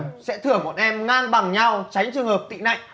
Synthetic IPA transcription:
sɛ̰˧˥t̪ʰɨ˧˩əŋmɔ˨˩t̚ʔɛ˧mŋaː˧nɓa˨˩ŋɲa˧wt͡ɕa˨˦jŋ̟t͡ɕɨ˧əŋhəː˨˩p̚t̪ḭ˧˨na̰˧˨jŋ̟

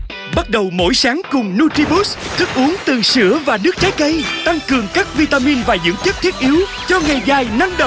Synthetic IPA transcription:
ɓa˦˥t̚ɗə˨˩wmo̰˧˥˩jsaː˨˦ŋkʊ˨˩ŋ͡mnu˧ti˧ɓu˦˥st̪ʰɨ˦˥k̚ʔu˨˦əŋt̪ɨ˨˩sɨ̰˧˩əvaː˨˩nɨ˦˥k̚t͡ɕaː˨˦jkə˧jt̪a˧ŋkɨ˨˩əŋkaː˦˥k̚vi˧t̪aː˧mi˧nvaː˨˩zɨ̰˧˥t͡ɕə˦˥t̚t̪ʰi˦˥ət̚ʔi˨˦əw | t͡ɕɔ˧ŋa˨˩jɣaː˨˩jna˧mɗə˧˨

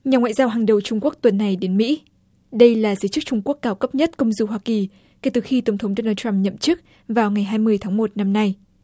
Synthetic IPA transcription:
ɲaː˨˩ŋwa̰ː˧˨jzaː˧wɦaː˨˩ŋɗə˨˩wt͡ɕʊ˧ŋ͡mku˦˥ək̚t̪wə˨˩nːa˨˩jɗe˨˦nmḭ˧˥ | ɗə˧jlaː˨˩zəː˨˦jt͡ɕɨ˦˥k̚t͡ɕʊ˧ŋ͡mku˦˥əkːaː˧˩wkə˦˥p̚ɲə˦˥t̚kə˧wŋ͡mzu˧˩ɦwaː˧ki˨˩ | ke˨˧˩t̪ɨ˨˩xi˧t̪ə˨˩wŋ͡mt̪ʰə˨˦wŋ͡mɗo˧naː˧t̪ɾa˧mɲə̰˧˨mt͡ɕɨ˦˥k̚ | vaː˨˩wŋa˨˩jɦaː˧jmɨ˧əjt̪ʰaː˨˦ŋmo˨˩t̚na˧mna˧j

